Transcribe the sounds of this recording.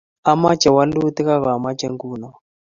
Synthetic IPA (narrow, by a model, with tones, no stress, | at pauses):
a˦ma˦t͡ʃɛ˨wa˦lu˦ti˦ka˦ka˨a˨ma˦t͡ʃɛ˦ŋɡuː˦nɔ˨